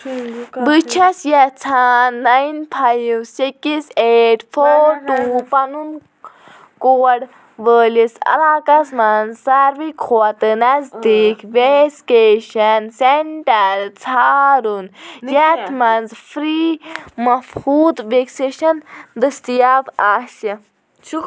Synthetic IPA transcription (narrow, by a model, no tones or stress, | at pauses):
bɨt͡ʃʰɐsjɛt͡sʰaːnːɐjnpʰajʋsikiseːʈfʰoːɾʈuːpɐnun | koːɐɽ | ʋəːlisɐ̰laːkɐsmɐnzsɐɾʋikʰoɐt̪ɨnɐzd̪ikʰʋeskeːʃɐnseɳʈɐɾt͡sʰaːɾunjɛt̪ʰmɐnzfʰɾiːmɐfhuːd̪ʋekseʃɐnd̪ɨst̪ijabaːʃɐ